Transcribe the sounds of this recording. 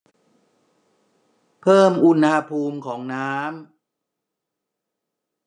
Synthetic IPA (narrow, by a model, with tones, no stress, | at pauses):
pʰɤː˥˩mʔu˧nha˧pʰuː˧mkʰɔː˩˦ŋnaː˦˥m